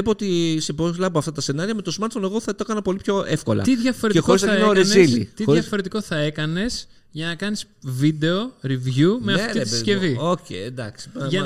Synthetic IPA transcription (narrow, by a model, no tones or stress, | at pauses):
epoot̪isepolɐp̬oɐft̪ɐt̪ɐse̞nɐɾiɐme̞t̪o̞smɐɾt̪foneɣoθɐt̪okɐnɐpo̞lipço̞e̞fko̞lɐ̰t̪iðʝɐfoɾeexoɾiznɐneoɾizilḭt̪ixoɾɐfoɾe̞t̪iko̞θɐe̞kɐne̞s | ʝɐnɐkɐnis | vid̪e̞oɾivʝumeɐt̪iiesceviocḛend̪ɐksi̥pɐɐ